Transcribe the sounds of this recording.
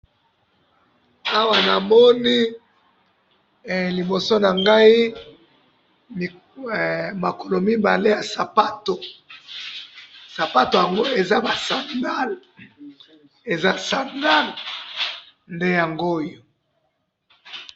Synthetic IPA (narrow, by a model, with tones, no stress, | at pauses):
a˦wa˨na˨mɔ˦ni˦˨ | li˨bo˨so˦na˨ŋɡa˦i˦˨ | ma˨ko˨lo˨mi˦ba˨le˦ja˨sa˨pa˦to˨ | sa˨pa˦to˨ja˨ŋɡo˦e˨za˦ba˨sa˨ŋɡa˦l | e˨za˦sa˨ŋɡa˦l | nde˦ja˨ŋɡo˦jo˨